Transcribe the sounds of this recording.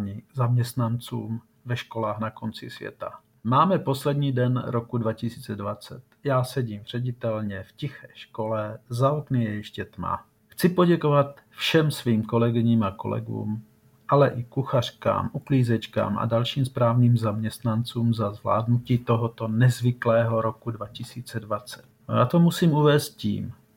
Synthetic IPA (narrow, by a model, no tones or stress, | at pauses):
ɲizamɲɛst̪nant͡sṵːm | vɛʃko̞laːxnako̞nt͡sɪ̰svjɛ̰t̪a̰ | maːmɛpo̞slɛdɲiːdɛnɾokudvacɪsiːt͡sɛdvat͡sɛt̪jaːsɛɟiːmr̝̥ɛɟɪt̪ɛlɲɛfcɪxɛːʃkolɛzaoknijɛjɛʃcɛt̪ma̰ | xt͡sɪpo̞ɟɛkovat̪ | fʃɛmsviːmko̞lɛɡɪɲiːmako̞̰lɛ̰ɡṵːm | ʔalɛʔɪkuxar̝̥ka̰ːmʔukliːzɛt͡ʃka̰ːmʔa̰dalʃiːmspɾaːvniːmzamɲɛst̪nant͡suːmzazvla̰ːdnuciːt̪o̞ɦot̪o̞nɛzvɪklɛːɦo̞ɾo̞kudvacɪsiːt͡sɛdvat͡sɛ̥t̪̚jaːt̪omusiːmuvɛːst̪̚cḭːm